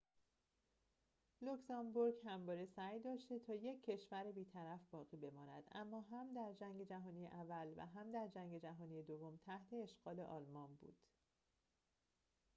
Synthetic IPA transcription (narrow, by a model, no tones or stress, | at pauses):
loksɒmboɾɡhæmbɒːɾesæjd̪ɒːʃt̪e̞t̪ʰɒːje̞cʰːe̞ʃvæɾebiːt̪ʰæɾæfbɒːɣiːbe̞mɒːnæ̰d̪̥æ̰mːɒːɦæmd̪æɾd͡ʒæŋɟe̞d͡ʒæɦɒːniːjeʔævːælvæ̰ɦæmd̪æɾd͡ʒæŋɟe̞d͡ʒæɦɒːnijed̪o̞vːo̞mt̪ʰæht̪ʰe̞ːʃɡɒːle̞ʔɒːlmɒːnbṵːd̪̥